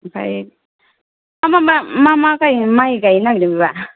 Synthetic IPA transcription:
pʰa̰j | amabamamakajmajkajnaɡɾibiba

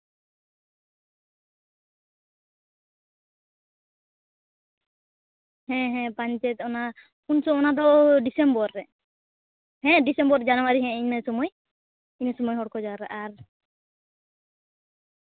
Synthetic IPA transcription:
hɛ̃ɦɛ̃paɲt͡ʃɛt̪ɔna | unsɔɔnad̪ɔɖisɛmbɔɾːɛ | hɛ̃ɖisɛmbɔɾd͡ʒanɔwaɾiɦɛ̃iɲmasɔmɔj | iɲasɔmɔjɦɔɽkɔd͡ʒaɾa̰ʔaɾ

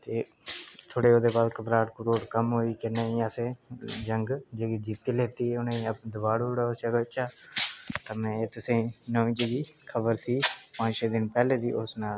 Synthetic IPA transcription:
t̪eː | t̪ʰoːɽeːoːd̪eːbaːd̪kəpɾaːʈkəɾoːʈkəmɦoːiːkɪnẽːĩːəseːd͡ʒəŋɡd͡ʒeːɡiːd͡ʒiːt̪ːiːleːt̪iːʊnãːĩːəd̪əbaːɽuɽaːsəɡɪt͡ʃaːt̪aːmɛ̃ːeːt̪ʊsẽːnɔ̃ːʋĩːt͡ʃeɡiːkʰəbəɾsiːpãːʃeːd̪ɪnpɛːleːd̪iːʔʊsnaːl

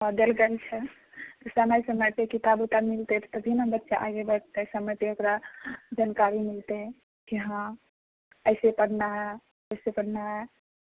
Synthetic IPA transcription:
əd̪elɡelt͡ʃʰɛ | t̪ɔsəməjsəməjt̪ekit̪abut̪amilt̪et̪t̪əbʱinabətːʃaʔaɡebəɽt̪esəmət̪eokɾad͡ʒankaɾimilt̪e | kiɦã | əɪsepəɽ̤naɦɛ | əɪsepəɽ̤naɦɛ

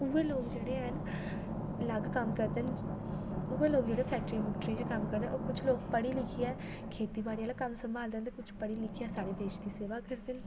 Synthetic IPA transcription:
ʊeːloːɡd͡ʒeːɽeːɦən | ləɡkəmkəɾd̪ən | ʊːeːloːɡd͡ʒeːɽepʰɛːk̚ʈəɾiːmʊʈɾẽːd͡ʒekəmkəɾd̪ə̃nʔoːkʊt͡ʃʰloːɡpəɽiːlɪkʰiɛː | kʰeːt̪iːbaːɽijalaːkəmsəmbʱaːld̪eːnt̪ekʊt͡ʃʰpəɽiːlɪkʰiɛːsaːɽeːbeːt͡ʃd̪iːseːʋaːkəɾd̪ɪn

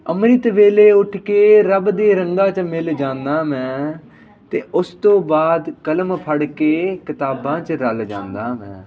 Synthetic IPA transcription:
əmɾiːt̪ʋeːleːʊʈʰkeːɾəbd̪eːɾəŋɡãːt͡ʃmɪld͡ʒãːnd̪aːmɛ̃ː | t̪eːʔʊst̪õːbaːd̪kələmpʰəɽkeːkɪt̪aːbãːt͡ʃɾəld͡ʒã̰ːnd̪aːmɛ̃ː

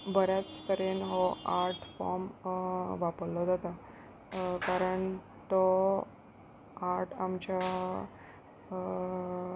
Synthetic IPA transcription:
bəɾat͡st̪əɾenɦɔaɾʈʰfɔɾm | ʋapəllɔd͡zat̪a | kaɾəɳ | t̪ɔ | aɾʈʰamt͡ɕja

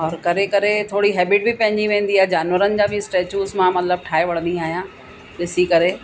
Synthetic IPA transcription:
ɔːɾkɐɾekɐɾet̪ʰoːɽiɦɛːbɪʈ̚bɪpɐ̃ɦɪ̃ɲd͡ʑiʋẽːn̆d̪iaːɦɛd͡ʑaːnʋəɾənɪ̆d͡ʑaːbɪsʈeːt͡ɕuːzmãmɐt̪ləb̚ʈʰaːeʋɐɽ̤ə̃nd̪ĩaːɦijãː | ɗɪsikɐɾeː

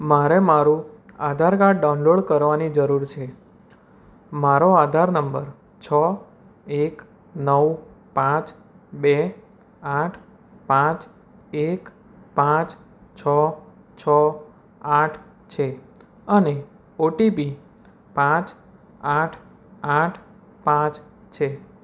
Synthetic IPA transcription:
maɾemaɾũad̪ʱaɾkaʈɖaũnloɽkəɾʋanid͡ʒəɾuɾt͡ʃʰe | maɾoad̪ʱaɾnəmbəɾ | t͡ʃʰɔ | ek | nəw | pãt͡ʃ | be | aʈʰ | pãt͡ʃ | ek | pãt͡ʃ | t͡ʃʰə | t͡ʃʰə | aʈʰ | t͡ʃʰe | əne | oʈipi | pãt͡ʃ | aʈʰ | aʈʰ | pãt͡ʃ | t͡ʃʰe

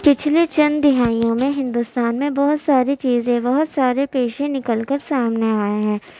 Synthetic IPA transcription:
pɪt͡ʃʰlet͡ʃɐ̃nd̪ɪɦaːijõmẽɦɪ̃nd̪ʊst̪aːnmẽbɐɦʊt̪saːɾit͡ʃiːzẽbɐɦʊt̪saːɾepeːʃẽnɪkəlkəɾsaːmneaːeɦɛ̃ː

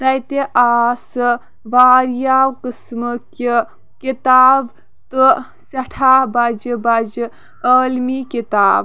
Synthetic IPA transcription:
dɐjt̪eʔaːsɨ | ʋaːɾjaːwkɨsmɨki | kit̪aːb | t̪ɨ | sɐʈʰaːbɐd͡ʒbɐd͡ʒɨ | əːlmikit̪aːb

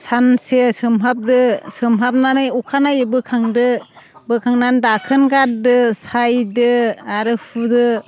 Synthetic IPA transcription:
sansesɯmɦap̚dɯsɯmɦap̚nanɯjukʰanajbɯkʰaŋdɯbɯkʰaŋnandakʰɯnɡaɾdɯsajdɯaɾɯpʰudɯ

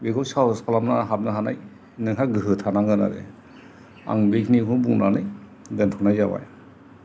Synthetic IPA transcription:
beɡɔsawskʰalamnaɦat̚nɯɦanaj | nɯŋɦʰaɡɯɦɯtʰanaŋɯna̰ɾḛ | a̰ŋbekʰnikʰɯbunanɯj | dentʰɔnajzaba̰j

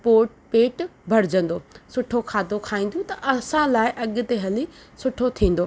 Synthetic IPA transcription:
poːʈpeːʈbʱɐɾɪd͡ʑə̃n̆d̪oːsʊʈʰokʰaːd̪okʰaːĩːn̆d̪õt̪ɐʔɐsãlaːɪʔɐɠʊ̆t̪eɦɐli | sʊʈʰot̪ʰĩːn̆d̪oː

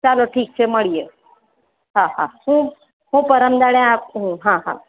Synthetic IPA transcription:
t͡ɕaloʈʰiːk̚t͡ɕʰeməɭije | ɦãɦãhũː | ɦũpəɾəmd̪aɽjãpɦũɦãɦã̰

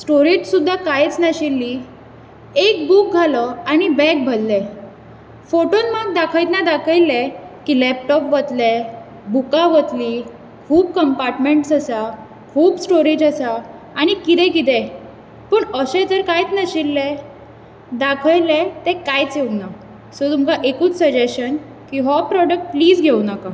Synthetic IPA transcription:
sʈoɾid͡ʑsud̪ʱːakajt͡snaɕilːi | ek̚buk̚ɡʱaləaɽ̃ibɛk̚bʱəllɛ | foʈonməɡ̚d̪akʰəjt̪nad̪akʰəjlɛkilɛp̚ʈɔpʋət̪lɛ | bukaʋət̪liː | kʰuːb̚kəmpaɾʈmeɳʈsəsa | kʰuːbsʈoɾid͡ʑasaː | ɽ̃ikit̪ɛ̃kit̪̬ɛ̃ | pəɳəɕẽd͡zəɾkajt͡snəɕilːɛ | d̪akʰəjlɛt̪ɛ̃kajt͡seuna | sot̪umkaʔekuːt͡ssəd͡ʑeɕən | kiɦɔpɾɔɖək̚ʈpliːd͡zɡʱeunaka

